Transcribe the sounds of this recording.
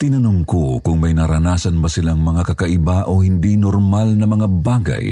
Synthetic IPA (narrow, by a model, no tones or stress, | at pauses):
t̪ɪnɐnʊmkokʊŋmɐjnɐɾɐnaːsɐnbɐsɪlaŋmɐŋakɐkɐʔɪbaʔohɪnd̪inɔɾmalnɐmɐŋabaːɡa̰j